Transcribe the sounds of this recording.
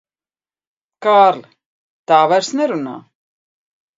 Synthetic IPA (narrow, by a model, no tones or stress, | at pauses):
kaːɾl | t̪aːvaɾ̥snɛɾuna̰